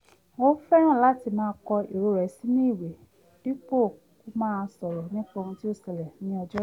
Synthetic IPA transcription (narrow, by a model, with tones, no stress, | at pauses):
wo˦fɛ˦ɾ̃ã˦˨la˨˦ti˧˨mãː˦˧kɔ˧e˨ɾo˧˨ɾɛ˨˦si˦nĩ˦i˦˨we˨ | di˦k͡po˦˨ | ku˨˦mãː˦˧sɔ˨ɾɛ˨˦nĩ˦k͡po˧ũ˧ti˦o˦˨sɛ˨lɛ˨nĩ˨˦ɔ˧d͡ʒɔ˦